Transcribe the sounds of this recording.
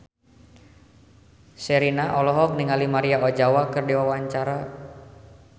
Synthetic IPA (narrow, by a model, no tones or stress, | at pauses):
sɛɾinaʔɔlɔɦɔk̚niŋalimaɾiaɔd͡ʒawakɨrdiwawaɲt͡ʃaɾa